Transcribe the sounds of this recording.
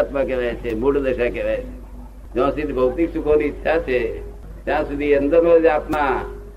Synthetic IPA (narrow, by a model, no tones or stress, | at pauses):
t̪makeʋajt͡ʃʰebuʈd̪əʃakeʋajt͡ʃʰe | d͡ʒõsɪd̪ʱibʱəʋt̪iksukʰonitːʃʰat͡ʃʰe | t̪jãːsud̪ʱiənd̪əɾmed͡ʒaːpnã